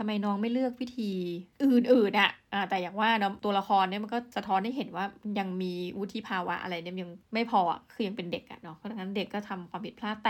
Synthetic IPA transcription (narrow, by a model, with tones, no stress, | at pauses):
t̪ʰa˧mːa˧jnɔː˦˥ŋma˥˩jlɯ˥˩ək̚wi˦˥t̪ʰiː˧ʔɯː˨˩nʔɯː˨˩nʔa˨˩ʔʔaː˨˩t̪ɛː˨˩jaː˨˩ŋwaː˥˩nɔ˦˥t̪u˧ɐla˧xʰɔː˧nːi˥˩ma˧nkɔː˥˩sa˧t̪ʰɔː˦˥nha˥˩jɦe˨˦nwaː˥˩ja˧ŋmiː˧wi˦˥t̪ʰi˧˩pʰaː˧wa̰˦˥ʔa̰˧ɾa˧jni˥˩ja˧ŋma˥˩jpʰɔː˧ʔa̰˨˩˥kʰɯː˧ja˧ŋpe˧nde˨˩k̚ʔa̰˨˩nɔ˦˥kʰːɾa˧˩ŋːa˦˥nde˨˩kːɔː˥˩t̪ʰa˧mkʰwaː˧mpʰi˨˩pʰlaː˥˩t̪ːa˧